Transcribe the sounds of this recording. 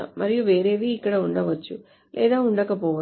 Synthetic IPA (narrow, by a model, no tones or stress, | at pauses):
mɐɾijuʋeːɾe̞ːʋiːkːɐɽɐuɳɖɐʋɐt͡ʃːu | lʔɛːd̪aːuɳɖɐːkɐpoːʋɐ